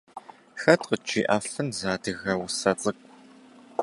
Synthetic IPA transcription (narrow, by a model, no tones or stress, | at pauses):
xɐtqət͡ʃiːʔaːfɨnzaːdɨɣɐwʊsɐt͡sʼɨkʷʼ